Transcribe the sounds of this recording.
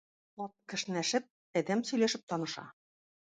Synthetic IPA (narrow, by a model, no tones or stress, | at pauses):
lot̪̚kɘ̆ʃnæʃɘ̆p̚ | æd̪æmsɵ̆jlʲeʃɘ̆p̚t̪ɑnɤ̆ʃɑ̰